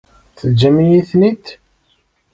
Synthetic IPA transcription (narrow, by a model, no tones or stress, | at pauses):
θəd͡ʒːæmijiθnit̪